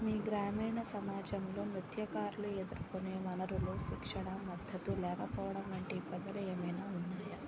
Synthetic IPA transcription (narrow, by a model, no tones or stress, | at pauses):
miːɡɾaːmiːɳɐsɐmaːd͡ʒɐmlo̞ːmit̪ʰjɐkaːɾuluɛd̪ɐɾukoneːmɐnɐɾuloːʃikʂɐɳɐmɐd̪ʱːɐt̪ulɛːkɐpɔːʋɐɽɐmɐɳʈepːɐd̪ɐlɐeːmɐjnaːunːaːjɐ